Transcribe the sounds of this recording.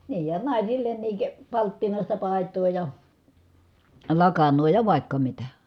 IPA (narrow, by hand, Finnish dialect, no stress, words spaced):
niːj jɑ nɑˑisilːenːiːk pɑltːinɑˑistɑ pɑˑi̯tˑoː jɑ lɑkɑnːoː jɑ ʋɑˑikːɑ mitæ